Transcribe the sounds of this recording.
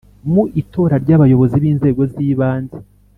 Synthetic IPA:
muʔito̞ːɾaɾɟaβajo̞βo̞ziβiːnze̞ːɡo̞ziːβaːnze

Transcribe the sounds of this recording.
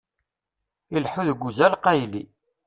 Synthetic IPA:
ilħuðəɡʷːuzælqæjlḭ

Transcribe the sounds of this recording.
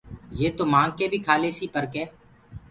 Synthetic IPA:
jeːt̪oːmãːŋɡ̚keːbʱiːkʰaːleːsiːpəɾkeː

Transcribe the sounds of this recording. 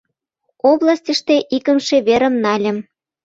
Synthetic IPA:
oblɑsʲtʲəʃt̪eʔikə̆mʃeβeɾə̆mnɑlʲə̆m

